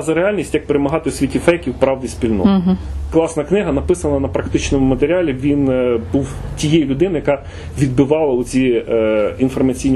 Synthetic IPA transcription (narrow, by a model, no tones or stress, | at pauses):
zɐɾeɑlʲnʲisʲtʲjɐk̚peɾemɐɦɑt̪ɪwsʲʋʲitʲifɛjkʲiwpɾɑwd̪ʲispʲilʲnɔ̰t̪klˠɑsnɐknɪɦɐnɐpɪsɐnɐnɐpɾɐkt̪ɪt͡ʃnɔmʊmɐt̪eɾʲɑlʲiʋʲinbuwtʲijɛjlʲʊd̪ɪnɪjɐkɑ | ʋʲid̪̚bɪʋɑlˠɐʊt͡sʲi | infɐrmɐt͡sʲijnʲi